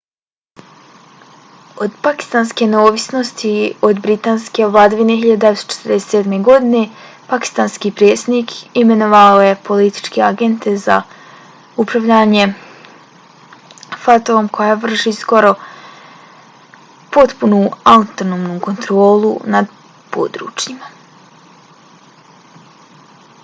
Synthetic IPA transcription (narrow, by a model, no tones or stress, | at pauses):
o̞d̪paki̥st̪anskeneoːʋisno̞st̪io̞d̪bɾit̪aːnske̞vlˠaːd̪aʋineɦiʎad̪d̪eʋest̪o̥t͡ʃe̥t̪rd̪eset̪sed̪me̞ɡo̞d̪ine̞ | paki̥st̪anskipɾeːt̪sd̪niːkʰime̞noʋaojepo̞lit̪i̥t͡ʃkeaɡe̞nt̪ʰe̞za̰ | upɾaʋʎaːɲe̞ | fot̪oomkʰo̞jaʋr̩ʃisko̞ɾo̞ | po̞t̪punuat̪onoːmnuːko̞nt̪ɾo̞ːlˠṵnad̪ | po̰ːd̪ɾṵːt͡ʃjima